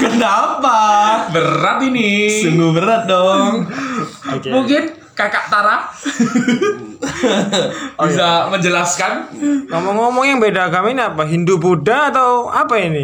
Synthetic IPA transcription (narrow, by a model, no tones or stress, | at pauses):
kənapabərɾat̪inisəŋɡubəɾat̪̚dɔŋ | okemuŋkɪn | kakaʔt̪aɾa | bis̬aməɲd͡ʒəlaskanŋɔmɔŋːɔmɔŋjaŋbedakaminapaɦindupudaːt̪awapaini